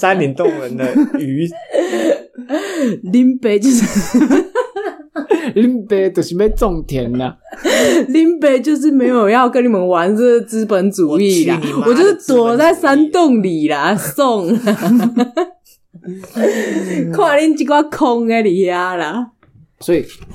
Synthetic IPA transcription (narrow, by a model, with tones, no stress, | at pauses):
sa˦nli˨˦nt̪ʊ˥˨ŋə˨˦nd̪ə˧y˨˦ | li˦˥npe˧˦t͡ɕjo˥˧ʊʂ | li˧˥npe˦t̪ə˨˩i˨˦me˥˧t͡sɔ˥˨ŋt̪ʰjɛ˨˦nːa˨˦ | li˥˦npe˧˦t͡ɕjo˥˧ʊʂ̬̩˥˩me˧˦ɪjo˨ʊjɑ˥˧ʊkə˦nːi˨˩mə˦nwa˨˧˦nsə˥˧d̪t͡sɹ̩˦pə˨˦nt͡su˨˩˦i˥˨˩la˨˩wwɔ˨˩t͡ɕjo˥˧ʊʂ̩˥˩t̪wɔ˨˩t͡sa˥˩ɪsa˦nt̪ɔ˥˨ŋli˨˩la˨˦sɔ˥˨ŋla | kʰwa˥˧lɛ˥˨nt͡ɕi˥˧kwa˥˧kʰɔ˦ŋe˧li˨˩hja˦la˨˩ | swɔ˧˦i˨˩